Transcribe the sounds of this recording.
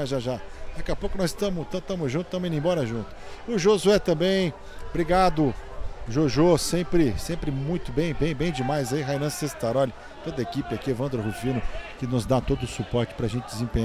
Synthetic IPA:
aʒaʒad̪akɛapowkʊnɔzɪst̪ɐ̃mʊt̪ɐ̃t̪ɐ̃mʊzʒũt̪ʊ̥ɐ̃mẽĩẽbɔɾɐʒũt̪ʊ̥ʊʒozuɛt̪ɐ̃mbẽj̃ | bɾiɡad̪ʊʒoʒosẽpɾɪsẽpɾɪmũj̃t̪ʊbẽj̃bẽj̃bẽj̃d͡ʒɪmajzaiɦajnɐ̃sest̪aɾɔlɪ | t̪od̪ɐekipɪakievɐ̃nd̪oɾɦufĩnʊkɪnʊzd̪at̪od̪ʊsupɔɾt͡ʃɪ̥pɾɐʒẽnt͡ʃɪd͡ʒ̪ɪzẽpẽɲa

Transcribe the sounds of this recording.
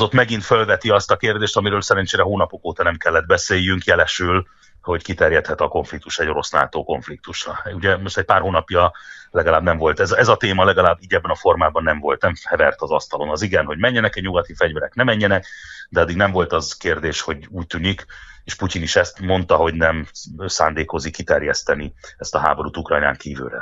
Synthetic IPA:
o̞t̪mɛɡint̪følvɛt̪iɒst̪ɒkeːrd̪eːʃt̪ɒmiɾøːlsɛɾɛnt͡ʃeːɾɛɦoːnɒpokoːt̪ɒnɛmkɛlːɛd̪̚bɛseːjːyŋkjɛlɛʃyl | ho̞ɟkit̪ɛrjɛt̪hɛt̪ɒko̞ɱflik̚t̪uʃɛɟo̞ɾo̞sna̰ːt̪oːko̞ɱflik̚t̪uʃrɒ̰uɟɛmo̞ʃt̪ɛc̚paːrɦoːnɒpjɒlɛɡɒlaːbnɛmvo̞lt̪ɛzɛzɒt̪eːmɒlɛɡɒlaːbːiːɟɛbːɛnɒfo̞rmaːbɒnːɛɱvo̞lt̪nɛmhɛvɛrt̪ɒzɒst̪ɒlo̞nɒziɡɛnɦo̞ɟmɛɲːɛnɛkɛɟɲuɡɒt̪ifɛɟvɛɾɛknɛmɛɲːɛnɛkd̪ɛɒd̪ːiɡnɛɱvo̞lt̪ɒzkeːrd̪eːʃho̞ɟuːc̚t̪ynikeːʃpuciniʃɛst̪mo̞nt̪ɒɦo̞ɟnɛmsa̰ːnd̪eːko̞zikːit̪ɛrjɛst̪ɛniɛst̪ɒɦa̰ːboɾuːt̪ukrɒ̰jna̰ːŋkiːvy̰ːɾɛ̰

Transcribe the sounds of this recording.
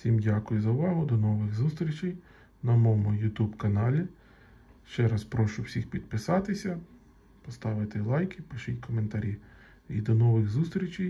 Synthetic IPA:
sʲimdʲakʊjʊzɐʊʋɑɦʊd̪ɔnɔʋɪɣzust̪ɾʲit͡ʃɪj | nɐmɔmʊjʊt̪ubkɐnɑlʲi | ʃt͡ʃɛɾɑspɾɔʃʊwsʲixpʲid̪̚pɪsɑt̪ɪsʲɐ | pɔst̪ɑʋɪt̪ɪlˠɑjkʲipɪʃɪtʲkʰɔment̪ɐɾʲi | ḭd̪ɔnɔʋɪɣzust̪ɾʲit͡ʃɪj

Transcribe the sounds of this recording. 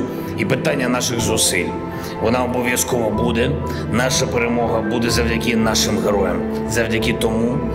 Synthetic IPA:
ipɪt̪anʲːɐnɑʃɪɣzʊsɪlʲ | ʋɔnɑɔbɔʋʲjɐskɔʋɐbud̪ɛ | nɑʃɐpeɾemɔɦɐbud̪ɛzɐwdʲɐkʲɪnɑʃɪmɦeɾɔjɛm | zɐwdʲɐkʲɪt̪ɔmu

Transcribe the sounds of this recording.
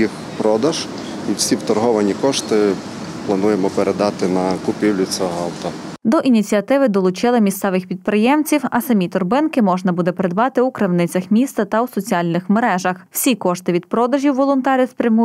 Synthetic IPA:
ix | pɾɔd̪ɐʒ̥ | i̥sʲiwt̪ɔrɦɔʋɐnʲikɔʃt̪ɪ | plˠɐnujemɔpeɾed̪ɑt̪ɪnɐkʊpʲiwlʲʊt͡sʲɔɦɔlˠt̪ɔd̪ɔʔinʲit͡sʲiɐt̪ɪʋɪd̪ɔlˠʊt͡ʃɪlˠɪmʲist̪sɛʋɪxpʲid̪̚pɾɪjɛmt͡sʲiwɐsɐmʲit̪ʊrbɪnkɪmɔʒnɐbud̪ɛpɾed̪bɑt̪ɪukɾɪwnɪt͡sʲɐxmʲist̪ɐt̪ɐwsɔt͡sʲiɑlʲnɪxmeɾɛʒɐxwsʲikɔʃt̪ɪʋʲid̪̚pɾɔd̪ɐʒʲiwʋɔlˠʊnt̪ɑɾʲɐspɾʲɐmu

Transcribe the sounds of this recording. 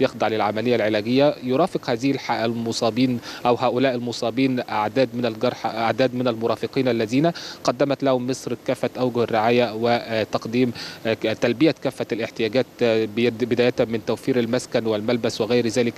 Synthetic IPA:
jexd̪ˤɑʕlɪlʕamælɪjːælʕelæːɡɪjːæjoɾˤɑːfɪqhæːzɪhlħaʔlmosˤɑːbiːnʔæwɦæːʔʊlæːʔɪlmʊsˤɑːbiːnʔaʕd̪æːd̪mɪnælɡɑɾˤħʔaʕd̪æːd̪mɪnælmʊɾˤɑːfɪqiːnʔælːæziːnaqɑd̪ːæmæt̪lahʊmːesˤɾkæːfːæt̪ʔawɡʊhɪrːɪʕaːjæwɪt̪ɑqd̪iːmt̪ælbɪjækæːfːælʔɪħt̪ɪjæːɡæːt̪ | bɪd̪æːjæt̪mɪnt̪æwfiːɾalmæskænwɪlmælbæswɪɣæjɾzæːlɪk

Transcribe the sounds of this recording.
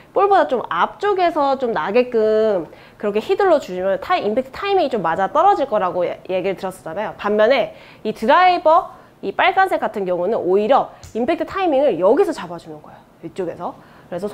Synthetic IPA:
p͈oɭbodat͡ɕomap̚t͡ɕ͈oɡe̞sʰʌt͡ɕomnaɡek͈ɯm | kɯɾʌkʰe̞çidɯɭːot͡ɕuɕʰimjʌntʰaiimpʰe̞ktʰɯ̥tʰaimiŋit͡ɕomːad͡ʑat͈ʌɾʌd͡ʑiɭk͈ʌɾaɡoje̞ɡiɾɯɭtɯɾʌs͈ʌ̥d͡ʑanajopamːjʌne̞ | itɯɾaibʌ | ip͈aɭk͈ansʰek͈atʰɯnɡjʌŋunɯnoiɾjʌimpʰe̞k̚tʰɯ̥tʰaimiŋɯɭjʌɡisʰʌt͡ɕabad͡ʑunɯnɡʌejo | it͡ɕ͈oɡe̞sʰʌ | kɯɾe̞sʰʌ

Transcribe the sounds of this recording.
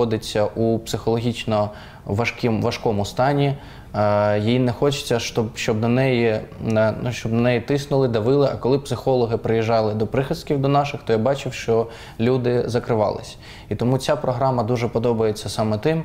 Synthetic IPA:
ɔd̪ɪt͡sʲːɐʔupsɪxɔlˠɔɦʲit͡ʃnɔ | ʋɐʃkʲimʋɐʃkɔmʊst̪ɑnʲi | jijinɛxɔt͡ʃɪ̥t͡sʲːɐʃt̪ɔbʃt͡ʃɔb̚d̪ɔnɛjiɛnuʃt͡ʃɔbd̪ɔnɛjit̪ɪsnʊlˠɪd̪ɐʋɪlˠɪʔɐkɔlˠɪpsɪxɔlˠɔɦɪpɾɪjiʒːɑlˠɪd̪ɔpɾɪxɪskʲiwd̪ɔnɑʃɪxt̪ɔjabɑt͡ʃɪwʃt͡ʃɔ | lʲud̪ɪzɐkɾɪʋɑ̰lˠɪ̰sʲ | it̪ɔmut͡sʲapɾɔɦɾɑmɐd̪uʒɛpɔd̪ɔbɐjet͡sʲːɐsɑmɛt̪ɪm

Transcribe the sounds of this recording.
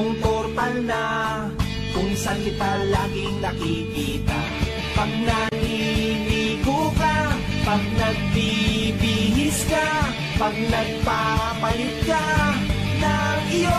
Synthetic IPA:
ŋkoɾt̪alna | kʊŋsɐlɪt̪alakɪŋnɐkikiːt̪a | pɐɡ̚naŋɪniɡuka | pɐɡ̚nɐɡ̚bibihɪska | paɡ̚nɐɡ̚papalɪt̪̚ka | naŋɪjo

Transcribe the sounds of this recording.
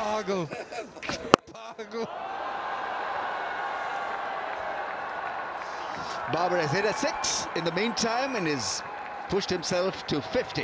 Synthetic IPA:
ɑɡl̩ | pɑɡl̩ | bɑːbəɹɨzɛɪɾɨtsɪksɨ̃nðəmĩntʰãɪ̃mɨ̃nɪz̥ | pʰʊʃt̚hɨ̃msɛlˠftʰəfɪftḭ

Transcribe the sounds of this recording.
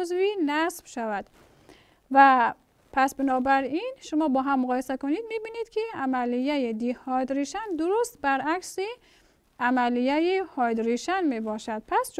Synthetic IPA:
zvinæsbʃavæd̪̥ | væ | pʰæsbinɔːbæɾinʃʊmɔːbɔːɦamːʊɣɔːjesakonid̪̚mibinid̪kʰiamælijæjid̪ihɒd̪ɾiʃænd̪uɾust̪bæɾæksi | amælijæjihɒd̪ɾiʃænmebɒʃæd̪̥̚pʰæst͡ʃ

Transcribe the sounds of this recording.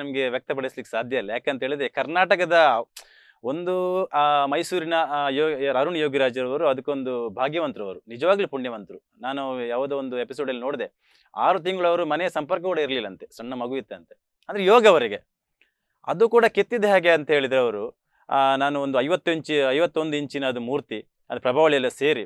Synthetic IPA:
nɐmɐɡe̞ʋjɐk̚t̪ɐpɐɽislikːe̥saːd̪ʱjɐilːɐjaːkeːnɐɦeːɭid̪ɾekɐɾnaːʈɐkɐd̪ɐ | o̞nd̪umɐjsuːɾinɐjːɾaːɾuɳjoːɡiɾaːd͡ʒɐɾɐʋɐɾuɐd̪ɐkːuond̪ubʱaːɡjɐʋɐnt̪ɾɐʋɐɾunid͡ʒɐʋaːɡɐlupuɳjɐʋɐnt̪ɾu | naːnujaːʋɐd̪uond̪uepisoːɖɐlːinoːɽid̪e | aːɾut̪̬iŋɡɐɭɐʋɐɾumɐnɛjɐsɐmpɐɾkɐkuːɽɐiɾɐlilːɐnt̪e̞sɐɳːɐmɐɡuʋit̪ːeɐnt̪e | ɐnd̪ɾejɔːɡɐʋɐɾiɡe̞ | ɐ̰d̪ukuːɽaket̪ːid̪eɦaːɡe̞ɐnt̪ɐɦeːɭid̪ɐɾɐʋɐɾu | naːnuond̪uɐjʋɐt̪ːuiɲt͡ʃiɐjʋɐt̪ːo̞nd̪uiɲt͡ʃinɐːd̪umuːɾt̪i | ɐd̪upɾɐbʱaːʋɐɭijɐlːɐse̞ːɾi

